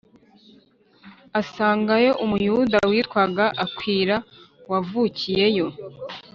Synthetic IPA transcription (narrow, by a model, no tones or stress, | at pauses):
asaːŋɡajo̞ʔumujudawiːtkwaɡaʔakwiːɾawavuːcije̞jo̞